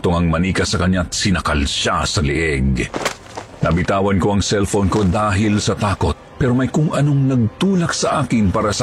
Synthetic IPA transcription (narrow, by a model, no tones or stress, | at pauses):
t̪oŋɐŋmɐniːkɐsɐkɐɲɲat̪̚sɪnɐkɐlʃasɐlɪʔɛɡ | nɐbɪt̪aːwɐnko̞ɐŋsɛlfonko̞d̪aːɦɪlsɐt̪aːko̞t̪̚pɛːɾo̞mɐjkʊŋʔɐno̞ŋnɐɡ̚t̪uːlɐk̚sɐʔaːkɪnpaːɾɐsɐ